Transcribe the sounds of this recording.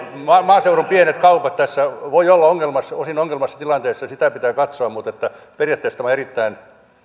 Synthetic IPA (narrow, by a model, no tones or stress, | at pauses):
mɑːmɑːseurompienet̪kɑupɑt̪t̪æsːæʋoiolːɑoŋːelmɑsosinoŋːelmɑsːɑt̪ilɑnt̪eːsːɑsit̪æpit̪æːkɑt̪soɑmmut̪et̪ːæ | perjɑˑt̪ːeist̪ɑmɑerit̪ːæin